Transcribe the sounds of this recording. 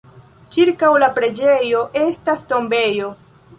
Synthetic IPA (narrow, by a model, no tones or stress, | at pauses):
kiɾkawlapɾe̞d͡ʒe̞jo̞ʔe̞stasto̞mbe̞jo̞